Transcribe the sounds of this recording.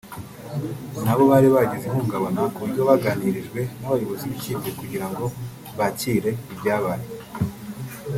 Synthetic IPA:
naβo̞βaːɾiβaɟizim̥uːɡaβonokuβuɾɟo̞βaɡaniɾiʒɡwe̞naβajoβoziβicizekuɟiɾaŋɡo | βaciɾe̞ibɟaːβaɾe

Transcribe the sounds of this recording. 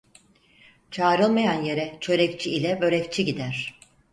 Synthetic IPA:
t͡ʃʰaːɾɯlˠmajanje̞ɾɛt͡ʃʰø̞ɾɛct͡ʃʰiilʲɛbø̞ɾɛct͡ʃʰiɟid̪æɾ̥

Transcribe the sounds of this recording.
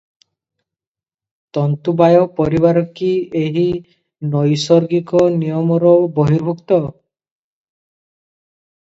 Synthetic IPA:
t̪ɔnt̪ubajɔpɔɾiβaɾɔkieɦi | nɔjsɔɾɡikɔnijɔmɔɾɔbɔɦiɾbʱukt̪ɔ

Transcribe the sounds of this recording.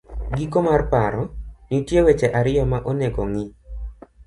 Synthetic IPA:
ɡikomarpaɾɔnitjewet͡ʃɛʔaɾɪjɔmaʔoneɡɔ̰ŋɪ

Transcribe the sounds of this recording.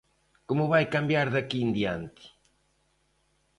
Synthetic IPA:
komʊβajkambjaɾðɐkind̪iant̪i̥

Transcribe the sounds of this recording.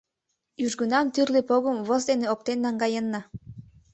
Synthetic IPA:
yʒɡynɑmt̪yrlepoɣə̆mβozd̪eneok̚t̪enːɑŋɡɑjənːɑ

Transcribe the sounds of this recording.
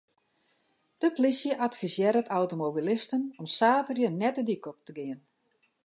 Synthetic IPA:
d̥əplisjəʔatfisjɛɾətawtomobilɪstənɔmsaːtərjənɛtədikɔp̚təɡɪən

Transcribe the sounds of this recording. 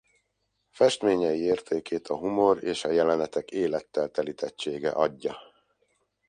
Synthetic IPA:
fɛʃt̪meːɲɛjieːrt̪ʰeːkeːt̪ʰɒɦumo̞reːʃɒjɛlɛnɛt̪ɛkeːlɛt̪ːɛlt̪ɛlit̪ʰɛt͡ʃːeːɡɛ̰ʔɒɟːɒ

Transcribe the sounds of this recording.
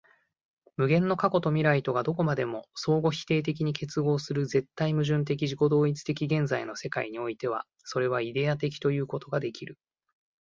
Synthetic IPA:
mɯ̟ɡẽ̞nːo̞kako̞t̪o̞mʲiɾait̪o̞ɡad̪o̞ko̞mad̪e̞mo̞so̞ːɡo̞çi̥t̪e̞ːt̪̬e̞k̬ʲiɲ̟ikʰe̞t͡sɨɡo̞ːsɨɾɯ̟ze̞t̪ːaimɯ̟ʑɨ̃nt̪̬e̞k̬ʲiʑiko̞d̪o̞ːit͡sɨ̥t̪e̞kʲiɡẽ̞nzaino̞se̞kaiɲ̟io̞it̪e̞β̞a̰ | so̞ɾe̞β̞aid̪e̞at̪̬e̞kʲi̥t̪o̞jɯ̟ːko̞t̪o̞ɡad̪e̞kʲiɾɯ̟

